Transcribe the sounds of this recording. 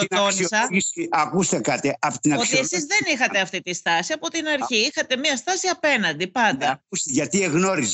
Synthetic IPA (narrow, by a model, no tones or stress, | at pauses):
oonsɐisiɐkust̪ekɐt̪iɐpot̪inɐo̞t̪iesizðe̞nixɐt̪e̞ɐft̪it̪ist̪ɐsiɐpo̞t̪inɐɾçiixɐt̪e̞miɐst̪ɐsiɐpe̞nɐnd̪ipɐnd̪ɐust̪eʝɐt̪ieɣno̞ɾiz